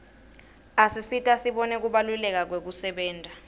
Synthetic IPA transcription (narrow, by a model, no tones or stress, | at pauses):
asisitʼasiɓɔnɛk̬uɓalulɛk̬ak̬wek̬usɛɓɛːntʼa